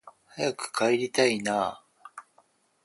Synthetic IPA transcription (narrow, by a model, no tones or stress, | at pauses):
hajakɯ̟̥kʰaeɾʲit̪ainaː